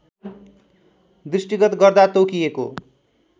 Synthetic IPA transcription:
d̪risʈiɡʌt̪ɡʌrd̪at̪okijeko̰

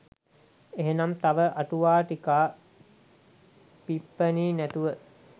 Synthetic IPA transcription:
eɦenamt̪aʋəʔaʈuʋaːʈikaː | pipːəniːnæt̪uʋə

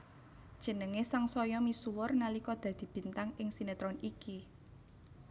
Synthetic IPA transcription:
d̥ʒ̥ə̤nəŋesaŋsɔjɔmisuwʊrnalikɔd̪̥ä̤d̪̥i̤b̥i̤nt̪aŋɪŋsinet̪ɾɔniki

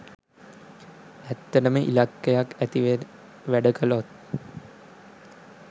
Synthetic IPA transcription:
æt̪ːəʈəməʔḭlakːejakæt̪iʋe | ʋæɖəkəlot̪̚

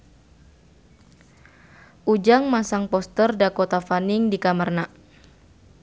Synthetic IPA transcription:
ʔud͡ʒaŋmasaŋpɔst̪ərdakot̪afaniŋdikamərna

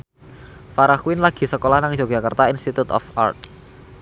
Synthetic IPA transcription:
faɾaxwɪnlaɡ̥i̤səkolahnaŋ̥ʒ̥oɡ̥a̤kərt̪ainst̪it̪ut̪ɔ̰fa̰rt̪̚

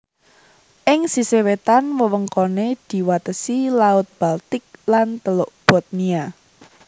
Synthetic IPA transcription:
ʔɪŋsisewet̪anwəwəŋkoned̪̥i̤wat̪əsilaʊt̪̚b̥alt̪ɪk̚lant̪əlʊʔb̥ɔ̤t̪̚nia

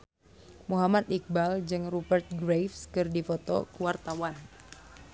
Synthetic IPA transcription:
muɦamat̪ik̚bald͡ʒɨŋrubərt̪̚ɡɾefskɨrdifɔt̪ɔ̰kuwart̪awan

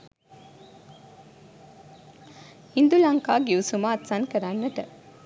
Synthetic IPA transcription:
hind̪ulɐŋkaːɡiusumaːt̪sankəɾanːəʈə

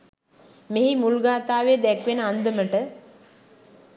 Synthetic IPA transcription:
meɦimulɡaːt̪aːʋeːd̪ɛkʋenəand̪əməʈə

